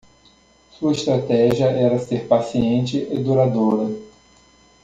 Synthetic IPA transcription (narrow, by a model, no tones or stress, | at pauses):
suɐɪst̪ɾat̪ɛʒiɐʔɛɾɐseɾpasiẽnt͡ʃɪʔed̪uɾad̪oɾɐ